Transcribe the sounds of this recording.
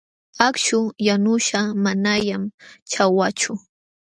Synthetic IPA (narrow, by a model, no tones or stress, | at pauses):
akʃʊjanʊʃamanaʎamt͡ʃawat͡ʃʊ